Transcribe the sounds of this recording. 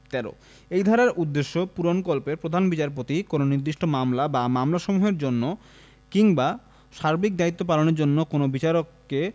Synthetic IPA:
t̪ɛɾo̰ | ejd̪ʱaɾaɾʔud̪ːeʃːopuɾonkolpeɾpɾod̪ʱanbit͡ɕaɾp̬ot̪ikononiɾd̪iʃʈomamlabamamlaʃomuɦeɾd͡ʑonːo | kiŋba | ʃaɾbik̚d̪ait̪ːop̬aloneɾd͡ʑonːokonobit͡ɕaɾokː | e

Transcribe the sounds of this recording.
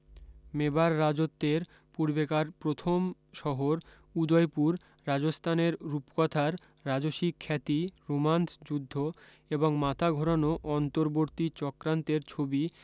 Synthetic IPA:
mebaɾːad͡ʑot̪ːeɾ | puɾbekaɾpɾot̪ʰom | ʃɔɦoɾ | ud̪ɔjpuɾː | ad͡ʑost̪ʰaneɾɾupkɔt̪ʰaɾː | ad͡ʑoʃikʰːɛt̪iɾomant̪ʰd͡ʑud̪ʱːo | eboŋmat̪ʰaɡʱɔɾanoʔɔnt̪oɾboɾt̪it͡ɕɔkɾant̪eɾt͡ɕʰobi

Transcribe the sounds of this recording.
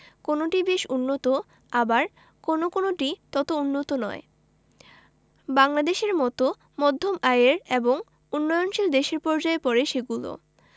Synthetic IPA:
konoʈibeʃunːot̪o | abaɾ | konokonoʈit̪ɔt̪ounːot̪onɔe | baŋlad̪eʃeɾmɔt̪o | mɔd̪ʱːomaeɾeboŋ | unːɔjonʃild̪eʃeɾpɔɾd͡ʑaepɔɾeʃeɡulo̰

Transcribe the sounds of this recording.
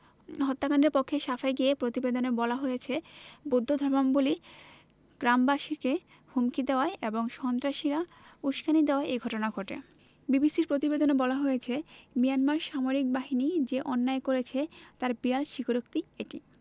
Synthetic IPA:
ɦɔt̪ːakanɖɾeɾpokʰːeʃafajɡiepɾot̪ibed̪onebɔlaɦojet͡ɕʰebod̪ʱːod̪ʱɔɾbamboli | ɡ̥ɾambaʃike | humkid̪eoaeʔeboŋʃɔnt̪ɾaʃiɾa | uʃkanid̪eoaeʔejɡʱɔʈonaɡʱoʈḛ | bibisiɾpɾot̪ibed̪onebɔlaɦojet͡ɕʰemijanmaɾʃamoɾik̚baɦinid͡ʑeʔɔnːaekoɾet͡ɕʰet̪aɾbijaɾʃikoɾok̚t̪ieʈḭ

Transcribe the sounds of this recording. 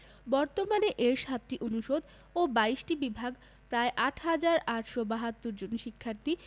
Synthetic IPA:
bɔɾt̪omaneʔeɾʃat̪ːiʔonuʃod̪ | obaiʃʈibibʱaɡ | pɾaeʔaʈʰɦad͡ʑaɾaʈʃobaɦat̪ːoɾd͡ʑonʃikʰːaɾt̪i

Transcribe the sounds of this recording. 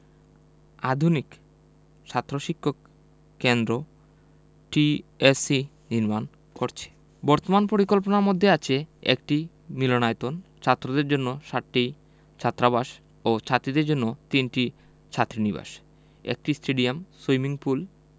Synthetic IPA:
ad̪ʱunik | ʃʰat̪ːɾoʃikʰːokː | end̪ɾo | ʈiesi | d̪inman | koɾt͡ɕʰe̥ | bɔɾt̪omanpoɾikolp̬onaɾmod̪ʱːeat͡ɕʰeḛk̚ʈi | milonaet̪ont͡ɕʰat̪ːɾod̪eɾd͡ʑonːoʃaʈːi | t͡ɕʰat̪ːɾabaʃ | ot͡ɕʰat̪ːɾid̪eɾd͡ʑonːot̪inʈi | t͡ɕʰat̪ːɾiniba̰ʃ | ḛk̚ʈisʈeɖiamsojmiŋpul

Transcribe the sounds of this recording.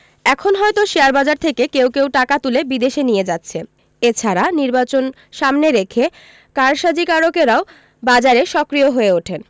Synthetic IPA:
ɛkʰonɦɔet̪oʃeaɾbad͡ʑaɾt̪ʰekekewkewʈakat̪ulebid̪eʃenijed͡ʑatːɕʰe | et͡ɕʰaɾaniɾbat͡ɕon | ʃamneɾekʰe | kaɾʃad͡ʑikaɾokeɾao | bad͡ʑaɾeʃɔkɾijoɦoeoʈʰen

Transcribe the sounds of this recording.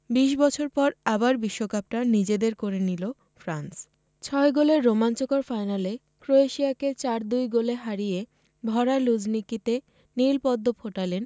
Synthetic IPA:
biʃbɔt͡ɕʰoɾpɔɾabaɾbiʃːokap̚ʈanid͡ʑed̪eɾkoɾenilo | fɾans | t͡ɕʰɔeɡoleɾːomant͡ɕokoɾfajnale | kɾoeʃiaket͡ɕaɾd̪ujɡoleɦaɾije | bʱɔɾaɾlud͡ʑnikit̪e | nilpɔd̪ːopʰoʈalen

